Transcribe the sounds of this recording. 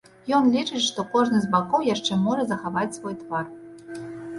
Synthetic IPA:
jɔnlʲit͡ʂɨt͡ɕʲʂt̪ɔkɔʐnɨzʲbakowjaʂt͡ʂɛmɔʐɐzɐxavatʲsvɔjt̪vɑr

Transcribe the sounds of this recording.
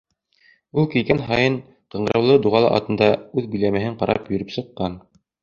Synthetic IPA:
ulˠkilɡænɦɑjɤɴ | qɤ̆ɴɢɤ̆ɾɑwlˠɤd̪uʁɑlˠɤ̰ʔɑ̰t̪ɤ̆nd̪ɑʉðbɵ̆jlæmɘ̆ɦɘɴqɑɾʔɑ̰pjɵ̆ɾɵpsɤ̆qːɑn

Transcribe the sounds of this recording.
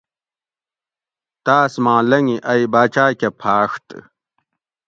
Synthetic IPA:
t̪aːsmãːlɐŋiʔɐjbaːt͡ɕaːkepʰaːʂt̪

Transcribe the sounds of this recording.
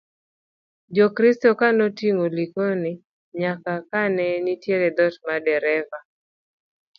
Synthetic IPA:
d͡ʒɔkɾistɔkanotiŋolikonɪ | ɲakakanɛnitjeɾɛd̪ɔtmadɛɾɛva

